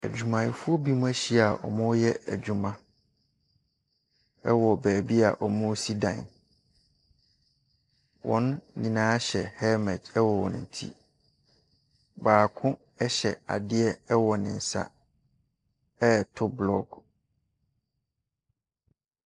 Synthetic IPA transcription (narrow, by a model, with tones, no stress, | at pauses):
æ̰˨d͡ʑᶣu˨mã˨jɪ˨fʊ˦ɔ˦bi˦mũ˦æ˦ɕi˦a˨ʔɔ̰˨mʊ̃˦jɛ˦æ̰˨d͡ʑᶣu˨mã˦ | ɛ˦wɔ˨bæː˨bi˦a̰˨ʔɔ˨mʊ̃˦si˦dã˨ | wʔɔ̰̃˦ñ˦nĩ˨nãː˦ɕɛ˨hɛ˦mɛ˨dɛ˦wɔ˨wɔ̰̃˨nɪ̰̃˨n˨tʰḭ˦ | baː˨kʰʊ̃˦ | ɛ˦ɕɛ˨a̰˨dɪ˦ɛ˦ɛ˦wɔ˨nɪ̃˨n̩˨sa̰˦ | ɛ˦˨tʰʊ˦blɔ˦ɡ